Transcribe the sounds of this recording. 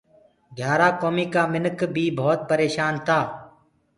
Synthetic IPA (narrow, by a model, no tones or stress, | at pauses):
ɡʱjaːɾaːkoːmiːkaːmɪnkbʱiːbʱoːt̪̚pəɾeːʃaːnt̪ʰaː